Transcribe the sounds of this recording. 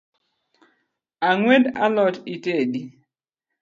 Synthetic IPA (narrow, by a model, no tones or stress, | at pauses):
aŋweda̰lɔtitedi